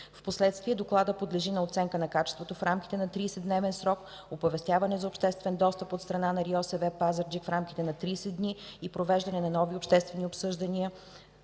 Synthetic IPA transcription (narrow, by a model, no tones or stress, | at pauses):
fposlɛt̪st̪viɛd̪oklˠad̪əpod̪lɛʒinɐot̪sɛŋkənɐkat͡ʃɛst̪vot̪ofɾamkʲi̥t̪ɛnɐt̪ɾiːsɛd̪nɛvɛnsɾɔk | opɐvɛst̪javɐnɛzɐopʃt̪ɛst̪vɛnd̪ɔst̪əpot̪st̪ɾɐnanɐɾiɔsɛvɛpazəɾd͡ʒikfɾamkʲi̥t̪ɛnɐt̪ɾiːsɛd̪niipɾovɛʒd̪ɐnɛnɐnɔviopʃt̪ɛst̪vɛniopsɤʒd̪ɐnʲiə